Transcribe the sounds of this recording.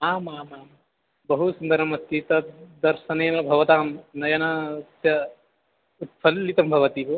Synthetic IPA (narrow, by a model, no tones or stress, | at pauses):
aːmaːmaːm | bɐɦusund̪ɐɾɐmɐt̪ːit̪ɐd̪ɐɾʃɐneːnɐbʱɐʋɐt̪aːmnɐjɐnɐsjɐ | ut̪̚fʰɐlːit̪ɐmbʱɐʋɐt̪iːpɐ